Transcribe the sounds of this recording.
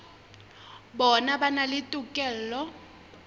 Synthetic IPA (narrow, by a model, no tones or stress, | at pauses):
bɔnabanalɪtʼʊkʼɛl̩lɔ